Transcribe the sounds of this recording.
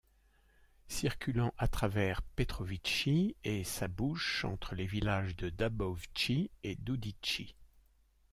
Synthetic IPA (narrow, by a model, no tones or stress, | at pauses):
siʁkʲylɑ̃ʔat̪χavɛʁpet̪χɔvit͡ʃiesabuʃɑ̰̃t̪χəlevilaʒd̪əd̪abɔvt͡ʃied̪ud̪it͡ʃi